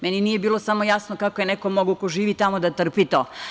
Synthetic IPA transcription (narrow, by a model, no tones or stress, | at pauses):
meninije̞biːlˠosamo̞jasnokakojenekomoɡokoʒiːʋit̪amod̪at̪r̩pit̪oː